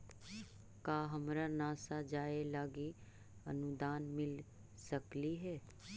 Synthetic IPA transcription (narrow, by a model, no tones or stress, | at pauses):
kaːɦəmɾanaːsad͡ʒaːelaːɡi | ə̰nud̪aːnmɪl | səkliɦɛː